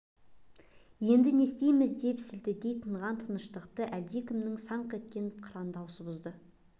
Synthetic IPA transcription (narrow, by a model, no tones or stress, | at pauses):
je̞nd̪ɪne̞st̪e̞jmɪzd̪e̞psɪld̪ɪd̪e̞jt̪ʰəɴʁɑnt̪ʰənəʃt̪əqt̪əʔæld̪e̞kʲʰɪmnɪŋsɑɴqʰet̪̚kʲenqʰɾɑnd̪ɑwsəbʊzd̪ə